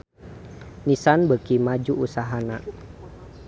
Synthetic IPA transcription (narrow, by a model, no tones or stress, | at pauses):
nisanbəkimad͡ʒuusaɦana